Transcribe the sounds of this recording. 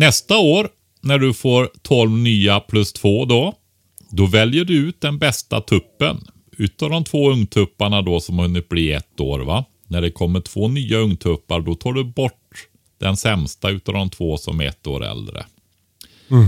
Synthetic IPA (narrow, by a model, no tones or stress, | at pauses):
nɛst̪aoːɾ | næɖɵfoːɾt̪ʰɔlvnyːapʰlɵst̪ʰv̥oːd̪ɔ | d̪ɔvɛljəɖɵʉ̟ːt̪̚d̪ɛnbɛst̪a̰t̪ʰɵpːə̰n | ʉ̟ːt̪ad̪ɔmt̪ʰvoːɵŋt̪ʰɵpːaɳad̪ɔsɔmhahɵnːɪt̪̚bliːɛ̰t̪ːo̰ːɾva | næɖɛkʰɔmːəʈʰv̥oːnyːaɵŋt̪ʰɵpːaɾɖɔt̪ʰɑːɖɵbɔʈ | d̪̥ɛnsɛmst̪aʉ̟ːt̪a̰vd̪ɔmt̪ʰvoːsɔ̰mɛɛ̰t̪ːo̰ːɾɛ̰ld̪ɾə̰